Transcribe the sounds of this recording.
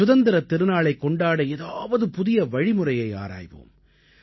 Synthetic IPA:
ʊðɐnd̪ɪɾɐt̪ːɪɾɯnaːɭɐɪkːɔɳɖaːɽɐɛðaːʋɐðɯpʊðɪjɐʋɐɻɪmɯrɐjɐɪa̰ːɾa̰ːjʋo̰ːm

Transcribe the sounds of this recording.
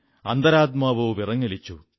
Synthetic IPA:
ɐnd̪ɐɾaːt̪̚maːʋoːʋirɐŋːɐɭit͡ɕːu

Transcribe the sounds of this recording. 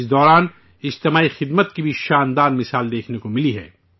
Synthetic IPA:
sd̪ɔːɾaːn | ɪd͡ʒt̪ɪmaːixɪd̪mət̪kibʱiʃaːnd̪aːnmɪsaːld̪eːkʰnekomɪliɦɛ̰ː

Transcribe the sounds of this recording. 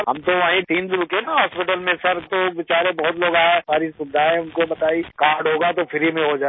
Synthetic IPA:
ɦɐ̰mt̪oaːĩt̪iːnd̪ɾʊkenaɦɔːspɪʈəlmẽsɐɾt̪oʋɪt͡ʃaːɾẽbɔɦʊt̪loːɡaːesaːɾisʊdd̪ʱaːẽʊnkobɐt̪aːikaːɾɖɦoːɡat̪ofʰɪɾimẽɦod͡ʒaː

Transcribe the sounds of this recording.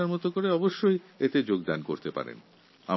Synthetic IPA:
aɾmɔt̪okoɾeɔboʃːojet̪ed͡ʑoɡd̪anko̰ɾt̪epa̰ɾḛn | a̰

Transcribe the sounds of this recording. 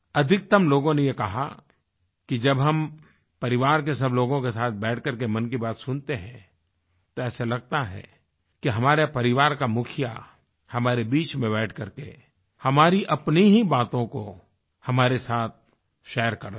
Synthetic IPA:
ɐd̪ʱɪk̚t̪əmloːɡõnejekɐɦa̰ | kid͡ʒɐbɦɐm | pɐɾɪʋaːɾkesɐbloːɡõkesaːt̪̚ʰbɛːʈʰkɐɾkemɐ̃nkibaːt̪sʊnt̪eɦɛ̃ | t̪oɛːselɐɡ̚t̪aɦɛ̰ | kiɦɐmaːɾepɐɾɪʋaːɾkamʊkʰɪja̰ | hɐmaːɾebiːt͡ʃmẽβɛːʈʰkɐɾkḛ | hɐmaːɾiʔɐpniɦibaːt̪õko | hɐmaːɾesaːt̪̚ | ʃɛːəɾkɐɾ

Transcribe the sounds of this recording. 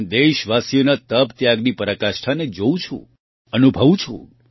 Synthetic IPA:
d̪eʃʋasjonat̪əbt̪jaɡnipəɾakaʃʈʰaned͡ʒoũt͡ʃʰṵ̃ | ənubʱəʋũt͡ʃʰṵ̃

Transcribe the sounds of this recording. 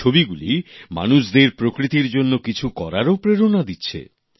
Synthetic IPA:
obiɡulḭma̰nuʃd̪eɾpɾokɾit̪iɾd͡ʑonːokit͡ɕʰukɔɾaɾopɾeɾonad̪itːɕʰḛ

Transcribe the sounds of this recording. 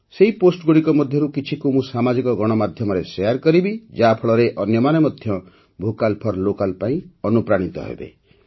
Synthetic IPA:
seɦiposʈɡuɽikɔmɔd̪ʱjɔɾukit͡ʃʰikumũsamad͡ʒikɔɡɔɽ̃ɔmad̪ʱjɔmɔɾesejaɾkɔɾibid͡ʒapʰɔɭɔɾeʔɔnjɔmanɔmɔd̪ʱjɔ | bʱukalpʰɔɾlokalpaĩɔnupɾaɽ̃it̪ɔ̰ɦḛbḛ

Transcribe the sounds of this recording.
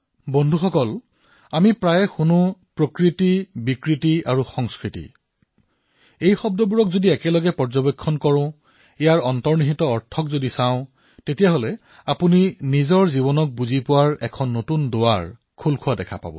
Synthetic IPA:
bɔndʱuxɔkɔl | amipɹajɛxunupɹokɹitibikɹitiaɹuxɔŋskɹitḭ | ejxɔb̚dɔbuɹɔkzodiɛkɛlɔɡɛpɔɹzɔbekʰːɔnkɔɹʊ̃ | ɛjaɹɔntɔɹniɦitɔɔɹtʰɔkzodisaʊ̃ | tetijaɦolɛ | apuninizɔɹziβɔnɔk̚buzipʊwaɹɛkʰɔnːotundowaɹ | kʰulkʰʊadɛkʰa̰pa̰bɔ̰

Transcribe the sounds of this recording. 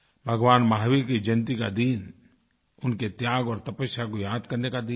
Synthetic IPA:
bʱəɡwaːnmaːɦwikid͡ʒɐnt̪ika̰d̪iːn | ʊnket̪jaːɡɔːɾt̪ɐpəsjakojaːd̪kɐɾnekad̪iːn

